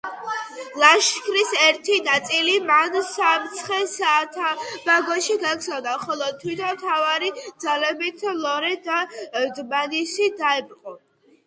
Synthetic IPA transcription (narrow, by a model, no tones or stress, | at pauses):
lˠaʃkʰɾisɛɾt̪ʰinat̪sʼilimansamt̪sʰχɛsaːt̪ʰab̥aɡɔʃiɡakzavd̪aχɔlˠɔt̪ʰwit̪ʰɔt̪ʰavaɾid̪zalɛbit̪ʰlˠɔɾɛd̪ad̪manisid̪aɛbɾqʼɔ